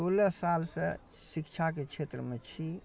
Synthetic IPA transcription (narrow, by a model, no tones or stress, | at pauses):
olɛsalsə̰sikt͡ʃʰaket͡ʃʰet̪ɾəmet͡ʃʰi